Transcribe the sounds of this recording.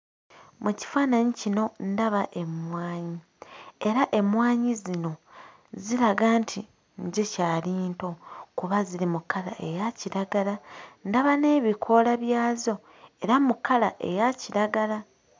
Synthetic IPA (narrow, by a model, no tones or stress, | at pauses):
muci̥faːnaɲicino̞ndaβaʔe̞mwaːɲi | e̞ɾaʔe̞mwaːɲizino̞ | ziɾaɡantʰi | ɲɟecaːliːnto̞kuβaziɾimukːala̰ʔe̞jaciɾaɡalandaβane̞ːβikʰo̞laβjaːzo̞ | e̞ɾamukːalaʔe̞jaciɾaɡala